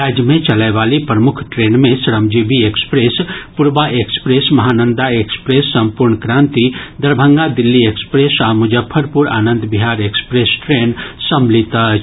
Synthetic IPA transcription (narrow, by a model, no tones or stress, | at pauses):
ɾaːd͡ʒjmẽt͡ʃɐlaʋaːlipɾəmʊkʰʈɾeːnmẽsɾəmd͡ʒibieːkspɾeːspʊɾbaʔekspɾeːsmɐɦaːnə̃nd̪aeːkspɾeːsːɐ̃mpʊɾɳkɾãːnt̪id̪ɐɾbʱə̃ŋɡad̪ɪlːiekspɾeːsamʊd͡ʒəpʰːəɾpuɾa̰ːnə̃nd̪biɦaːɾekspɾeːsʈɾeːnsɐmlit̪a